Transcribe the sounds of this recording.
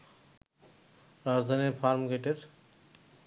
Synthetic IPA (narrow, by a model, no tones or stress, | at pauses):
ɾad͡zd̪ʱanifʰaɾmɡeʈeɾ